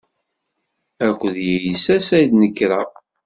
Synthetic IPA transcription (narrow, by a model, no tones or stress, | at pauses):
ækʷːðjæjisæsæjd̪nəkːɾa